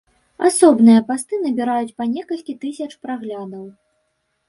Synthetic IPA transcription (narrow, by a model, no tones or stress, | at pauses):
a̰sɔbnɨjɐpast̪ɨn̪ɐbʲiɾajut͡sʲpanʲɛkɐlʲkʲit̪ɨsʲɐt͡ʂpɾaɣlʲad̪ɐw